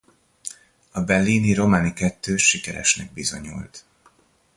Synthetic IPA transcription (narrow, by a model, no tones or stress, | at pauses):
ɒbɛlːiːniɾo̞maːnikɛt̪ːøːʃikɛɾɛ̰ʃnɛɡ̚bizo̞̰ɲṵlt̪